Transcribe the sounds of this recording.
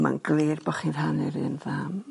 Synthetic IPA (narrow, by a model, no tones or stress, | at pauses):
ma̰nɡleːrbɔχir̥hanɨɾɨnðaːm